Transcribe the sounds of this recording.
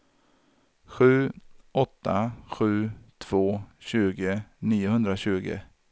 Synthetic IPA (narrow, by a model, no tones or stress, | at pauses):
ɧʉ̟ːʔɔt̪ːaɧʉ̟ːt̪ʰv̥oːɕʉ̟ːɡəniːʊhɵnd̪ɾaɕʉ̟ːɡə̰